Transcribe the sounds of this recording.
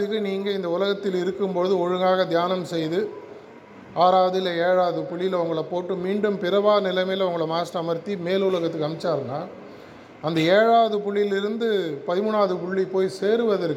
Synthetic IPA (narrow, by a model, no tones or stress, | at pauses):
ɯkːɯniːŋɡɐɪnd̪ɐʊlɐɣɐt̪ːɪlɪɾɯkːɯmpoːðɯɔɻɯŋɡaːɣɐd̪jaːnɐmsɛjðɯ | aːɾaːʋɐðɪlɐeːɻaːðɯpʊɭːɪlʊŋɡɐɭɐpoːʈːɯmiːɳɖɯmpɪɾɐʋaːnɪlɐmɐjlɐʊŋɡɐɭɐmaːsʈɐmɐɾt̪ːimeːlʊlɐɣɐt̪ːɯkːɐmɪt͡ʃːaːɾɯnaː | ɐnd̪ɐeːɻaːðɯpʊɭːɪlɪɾɯnd̪ɯpɐðɪmʊnaːðɯpʊɭːipoːjseːɾɯʋɐðɪɾɯkː